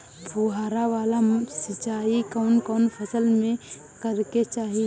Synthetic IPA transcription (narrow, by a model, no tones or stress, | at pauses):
bʰʱuɦaːɾaʋaːlasɪt͡ʃaːikɔːnkɔːnpʰəsəlmẽ | kəɾket͡ʃaːɦi